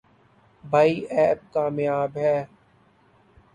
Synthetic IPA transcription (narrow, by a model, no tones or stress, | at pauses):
bʱaːiːʔɛːp̚kaːmjaːbɦɛː